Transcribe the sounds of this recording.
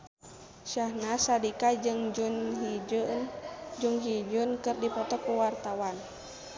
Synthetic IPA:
ʃahnasadikad͡ʒɨŋd͡ʒunɦi | d͡ʒuŋɦid͡ʒunkɨrdipɔt̪ɔkuwart̪awan

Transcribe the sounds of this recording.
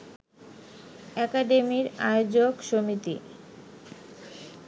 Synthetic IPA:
ɛkaɖemiɾaeod͡ʑokʃomit̪ḭ

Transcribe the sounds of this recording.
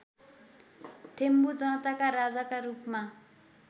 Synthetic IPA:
t̪ʰembud͡zʌnʌt̪akarad͡zakarupma

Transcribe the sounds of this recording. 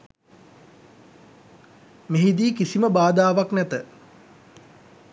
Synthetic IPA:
meɦid̪iːkisiməbaːd̪aːʋaknɛt̪ə

